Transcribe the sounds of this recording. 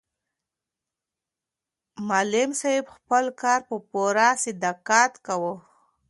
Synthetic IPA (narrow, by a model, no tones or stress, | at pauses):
malɪmsaɪbxpəlkɑɾpəpoɾasɪd̪akat̪kawə